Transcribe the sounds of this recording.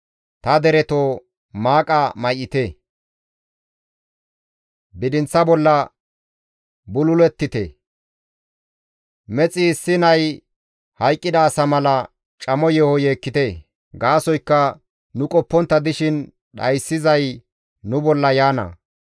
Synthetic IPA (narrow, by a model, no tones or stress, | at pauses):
t̪ɐd̪ɛɾɛt̪o | maːkʼɐmɐjɪt̪e | bɪd̪ɪnt͡sːɐbɔlːɐ | bʊlʊlɛt̪ːɪt̪ḛ | mɛt͡sʼiːsːɪnɐj | hɐjkʼːɪd̪ɐːsɐmɐlɐ | t͡ʃʼɐmɔjɛhɔjeːkːɪt̪e | ɡaːsɔjkːɐ | nʊkʼɔpːɔnt̪ːɐd̪ɪʃɪn | ɗɐ̰jsːɪzɐj | nʊbɔlːɐjaːnɐ̰